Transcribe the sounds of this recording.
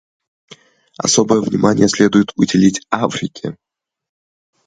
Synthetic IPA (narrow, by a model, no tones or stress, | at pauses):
ɐ̰sobɨjəvnʲɪmanʲɪ̰jəsʲlʲed̪ʊjɪt̪ʊdʲɪlʲitʲafɾʲɪkʲɪ̰